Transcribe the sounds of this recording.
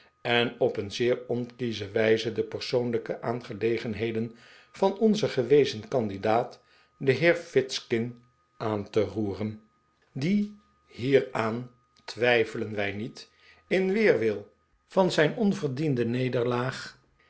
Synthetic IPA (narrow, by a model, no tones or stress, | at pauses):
ɛnɔpənzɪːɹɔnkizəʋɛjzədəpəɹsownləkəʔaːnχəlejχənɦejdən | v̥ɑnɔnzəχəʋejzənkɑndidaːt | dəɦɪːɹfɪtskɪn | ʔaːntəruːrən | di | hɦiːɹaːn | tʋɛjfələnʋɛjnit | ɪnʋɪːɹʋɪlˠ | v̥ɑnzɛjnɔnvəɹdindənejdəɹlaːχ